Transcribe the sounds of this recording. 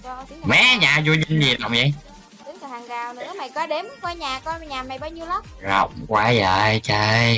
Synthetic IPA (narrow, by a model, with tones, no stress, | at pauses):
mɛ˨˦ɲaː˨˩zu˧ɲə˧nzi˨˩ɗa̰˨wŋ͡mzə̰˧˨˩j | ɗɨ˨˦ŋ˨˩haː˨˩ŋzaː˨˩wnɨ˨˧˦əma˨˩jkɔ˨˧˦ɗe˨˦mkɔ˧jɲaː˨˩kɔ˧jɲaː˨˩ma˨˩jɓaː˧wɲi˧əwlə˦˥k͡p̚zə̰˨wŋ͡mkwaː˧˦zəː˧˩jt͡ɕə˧˩j